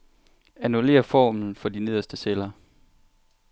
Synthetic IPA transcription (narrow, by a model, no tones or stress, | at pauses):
ænule̝̰ːɐfɒ̰ːmn̩fɒ̽d̥ine̝ð̞̰ˠɐsd̥əselɐ